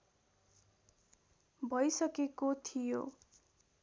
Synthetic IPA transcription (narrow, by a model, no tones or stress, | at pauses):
bʱʌjsʌkekot̪ʰijo̰